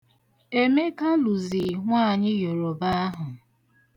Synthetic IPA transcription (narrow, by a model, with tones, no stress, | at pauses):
e˦me˦ka˦lu˨zi˨ŋʷaː˦˨ɲɪ˦jo˨ɾo˨ba˦a˦ɦʊ˨